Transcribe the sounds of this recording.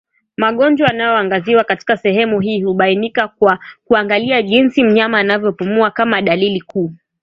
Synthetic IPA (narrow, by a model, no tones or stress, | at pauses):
maɠɔnd͡ʒwaanajɔaŋɡaziwakati̥kasɛɦɛmuɦiːhuɓainikakwakuaŋɡaliaʄinsim̩ɲamaːnavjɔpumuakamaɗalilikʰuː